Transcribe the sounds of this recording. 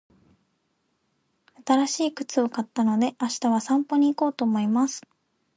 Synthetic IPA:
at̪aɾaɕiːkɯ̟̥t͡sɨokat̪ːano̞d̪e̞ʔaɕi̥t̪aβasãmpo̞ɲ̟iːko̞ːt̪o̞ːmo̞imasɨ̥

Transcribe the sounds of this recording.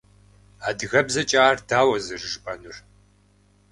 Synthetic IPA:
aːdɨɣɐbzɐt͡ʃʼaːrdaːwɐzɨrɨʒɨpʼɐnur

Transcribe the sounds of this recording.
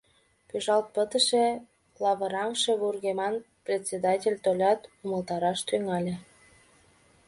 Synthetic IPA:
pyʒɑlt̪̚pət̪əʃe | lɑβəɾɑmʃe̽βurɣemɑn | prʲet̪ʲsʲed̪ɑtʲelʲt̪olʲɑt̪uməlt̪ɑɾɑʃt̪yŋɑlʲe

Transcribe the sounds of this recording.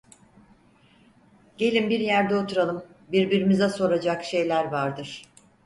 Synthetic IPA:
ɟ̥e̞lʲimbiɾjæɾd̪ɛo̞t̪ʰuɾalˠɯm | biɾbiɾimizɛso̞ɾad͡ʒakʃe̞jlʲæɾvaɾd̪ɯɾ̥

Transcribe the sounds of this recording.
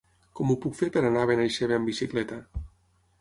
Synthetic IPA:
kɔmupukfeɾpeɾanaβenajʃeβeambisiklɛt̪a

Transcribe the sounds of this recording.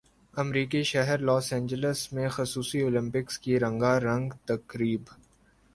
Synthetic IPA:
ɐmɾiːkiʃɐɦəɾlɔːsɛ̃ːɲd͡ʒələsmẽxʊsuːsioːlɪ̃mpɪkskiɾɐ̃ŋɡaɾɐ̃ŋɡt̪ɐkɾiːb

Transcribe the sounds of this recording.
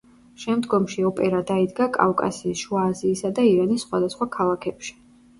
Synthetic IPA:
ʃɛmd̪ɡɔmʃiɔpʼɛɾad̪aid̪ɡakʼa̰fkʼa̰siːsʃuaːziːsad̪aiɾanisːχwad̪asχwakʰalˠakʰɛpʃi̥

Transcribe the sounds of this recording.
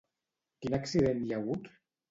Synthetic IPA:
kinaksiðenʎaɣut̪

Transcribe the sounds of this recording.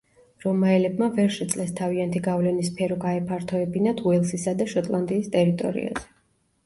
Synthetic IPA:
ɾɔmaɛlɛbmavɛɾʃɛt̪sʼlɛst̪ʰaviant̪ʰiɡavlɛnispʰɛɾɔɡaɛpʰaɾt̪ʰɔɛbinat̪ʰuɛlˠsisad̪aʃɔt̪ʼlˠand̪iːst̪ʼɛɾit̪ʼɔ̰ɾḭa̰z̥ɛ̥

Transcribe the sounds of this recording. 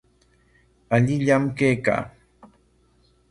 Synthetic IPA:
aʎɪʎamkejka̰ː

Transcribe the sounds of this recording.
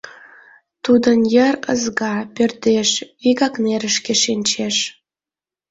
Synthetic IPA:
t̪ud̪ənjəɾə̰zɣɑpørt̪eʃviɣɑkneɾəʃkeʃinʲt͡ɕeʃ

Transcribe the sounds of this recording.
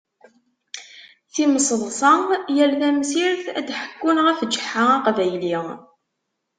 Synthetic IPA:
θiməsˤðˤsˤɑjəɾðæmsiɾθæ̰d̪ħə̥kːunʁæfd͡ʒːə̥ħːaɑqvæjli

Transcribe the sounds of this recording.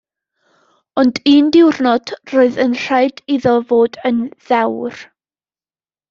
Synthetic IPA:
ɔndiːndɪwrnɔd̥roːɨðənɬaɨdiðɔvoːdənð̥ɛwr

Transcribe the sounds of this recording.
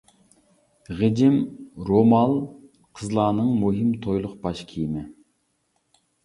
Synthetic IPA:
ʁɨd͡ʒɪmɾomɑlˠ | qʰəzlˠɑːnɨŋmuɦɨmt̪ʰojlˠʊqbɑʃkʲʰijmɪ

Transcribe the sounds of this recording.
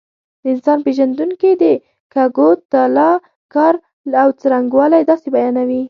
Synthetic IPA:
d̪̥əɪnsɑnpeʒand̪uŋkid̪ə | kaɡot̪ːalɑ | kɑɾ | awt͡səɾaŋɡwɑlajd̪ɑsebajɑnawi

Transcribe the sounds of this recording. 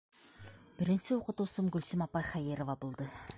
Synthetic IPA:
b̥ɪɾɪ̆nsɪuqət̪usəmɡɵlsɪmɑpɑjχæjeɾovɑbulˠd̪ɤ

